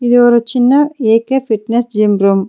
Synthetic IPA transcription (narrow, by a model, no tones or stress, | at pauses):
id̪uɔɾut͡ʃinːɐeːkepʰiʈnesd͡ʒimɾom